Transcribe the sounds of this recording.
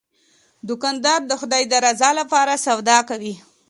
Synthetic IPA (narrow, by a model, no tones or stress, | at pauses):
d̪ʊkɑnd̪ɑɾd̪əxʊd̪ɑjd̪əɾazɑlapɑɾasawd̪ɑkawi